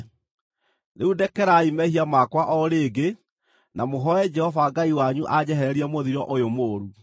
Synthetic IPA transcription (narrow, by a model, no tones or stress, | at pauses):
neudɛkɛɾaimɛhiamakwaʔɔɾeːɡe | namoɦɔɛd͡ʒɛhɔvaɡaiwaɲuʔad͡ʑɛɦɛɾɛɾiɛmoðiɾɔʔojomoːɾu